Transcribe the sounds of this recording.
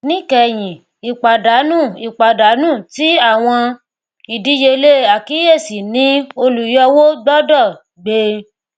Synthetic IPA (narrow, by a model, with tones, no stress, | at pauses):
nĩ˦kɛ˧˨j̃ĩ˨ | i˨k͡pa˨da˨˦nũ˦˨i˨k͡pa˨da˨˦nũː˦˨ti˨˦a˦˨w̃ɔ̃˧ | i˨di˨˦je˧le˦a˨ki˨˦je˦˨si˨nĩ˨˦o˧lu˨jɔ˧wo˦ɡ͡bɔ˦dɔ˦˨ | ɡ͡be˧˦